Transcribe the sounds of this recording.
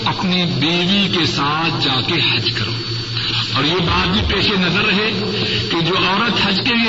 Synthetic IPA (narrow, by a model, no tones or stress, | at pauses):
ɐpnibeːɡikesaːt̪̚ʰd͡ʒaːkehɐd͡ʒkɐɾo̰ː | ɔːɾjebaːt̪̚bʱipeːʃenɐzəɾːɐɦe | ked͡ʒoːaːɾət̪ɦɐd͡ʒkeli